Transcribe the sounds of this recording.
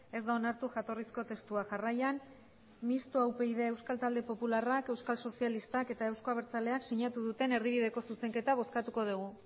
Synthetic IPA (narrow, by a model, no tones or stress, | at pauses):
e̞zd̪aonaɾt̪uʝat̪o̞risko̞t̪e̞st̪uaʝarajan | mist̪oawpe̞ið̞e̞ːwskalt̪ald̪e̞po̞pularake̞wskalso̞sialist̪ake̞t̪ae̞wskoaβeɾt͡sale̞aksiɲat̪uðut̪e̞ne̞ɾðiβið̞e̞ko̞suse̞ŋke̞t̪aβ̞o̞skat̪uko̞ð̞uɣ̞u